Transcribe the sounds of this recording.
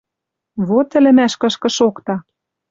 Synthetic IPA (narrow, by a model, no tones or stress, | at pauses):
βot̪ɘ̆lɘ̆mæʃkɤ̆ʃkɤ̆ʃokt̪ɑ